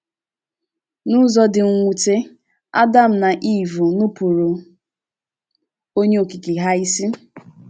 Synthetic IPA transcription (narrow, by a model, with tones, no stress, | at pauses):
nu˦zɔ˦dɪ˨ŋ̩˨ŋʷu˨te˦ | a̰˦da˦˨m̩˨na˨ʔi˦˨vu˨nʊ˦pu˨ɾo˨ | o˦ɲe˦o˨ki˨ki˨ɦa˦i˦si˦